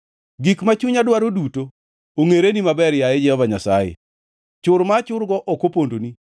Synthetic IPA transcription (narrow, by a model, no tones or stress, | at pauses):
ɡikmat͡ʃuɲadwaɾoduto | oŋeɾenimabɛɾjajɛd͡ʒɛhɔvaɲasajḛ | t͡ʃʊɾmat͡ʃʊɾɡɔʔokopondoni